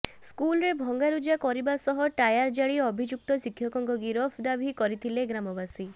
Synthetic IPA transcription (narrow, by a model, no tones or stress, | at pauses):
skulɾebʱɔŋɡaɾud͡ʒakɔɾibasɔɦɔʈajaɾd͡ʒaɭiɔbʱid͡ʒuk̚t̪ɔsikʰːjɔkɔŋkɔɡiɾɔpʰd̪abʱikɔɾit̪ʰileɡɾamɔbasi